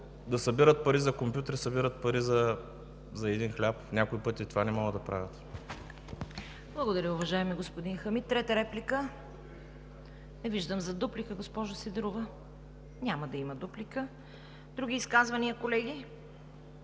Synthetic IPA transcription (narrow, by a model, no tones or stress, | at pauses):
d̪ɐsɐbiɾət̪̚pɐɾizɐkompʲjut̪ɾisɐbiɾət̪̚pɐɾizɐ | zɐɛd̪inxlʲapnʲakoipɤt̪ʲit̪ovanɛmɔɡəd̪ɐpɾa̰vʲət̪ | blˠɐɡod̪ɐɾʲɐʊvɐʒaɛmiɡospod̪inxɐmit̪ːɾɛt̪əɾɛplikə | nɛviʒd̪əmzɐd̪uplikəɡospɔʒosɛd̪ɾuvə | ɲʲamɐd̪ɐimɐd̪uplikə | d̪ɾuɡ̟ʲiːskazvɐniəkolɛɡ̟i